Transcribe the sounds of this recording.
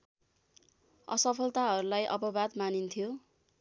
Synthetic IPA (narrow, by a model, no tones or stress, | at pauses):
ʌ̰sʌpʰʌlt̪aɦʌɾulajʔʌ̰pʌbad̪manint̪ʰijo